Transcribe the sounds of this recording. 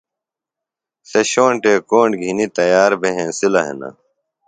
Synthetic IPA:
seɕoːɳʈeːkoːɳɖɡʱinit̪ɐjaːɾbʱeɦẽːsilɐɦḛnɐ̰

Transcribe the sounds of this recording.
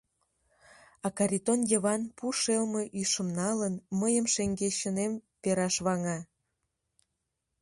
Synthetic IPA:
ɑkɑɾʲit̪onjəβɑnpuʃelməʔyʃə̆mnɑlənməjəmʃeŋɡeɕənempeɾɑʃβɑŋɑ

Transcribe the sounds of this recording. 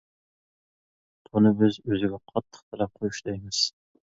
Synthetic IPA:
t̪ʰunɨbɪzøzɪɡʲɛqʰɑt̪ʰːə̥χt̪ʰɑlɛp̚qʰojuʃd̪ɛjmɪz̥

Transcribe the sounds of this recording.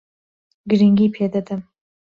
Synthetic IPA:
ɡɾiŋɡipʰed̪ɐd̪ɐm

